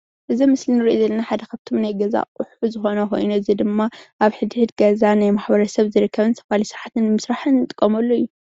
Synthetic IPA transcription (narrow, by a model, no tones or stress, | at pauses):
ʔɨzimɨslinɨɾiʔozɐlːɐnaħad̪ɐkʰaβt̪ʰo̞mnajɡɐza̰kʼʊħuzɨxo̞nɐko̞̰jnuɨzid̪ɨmːaʔaβħɨd̪ihɨt̪ɡɐzanajmaħbɐɾɐsɐβzɨɾɨkʰːɐβɨnsʰɐ̥falisɨɾʕat̪ʰɨnmɨsɾaħɨnːɨt̪ʼɨkʼːɐmɐlːojːu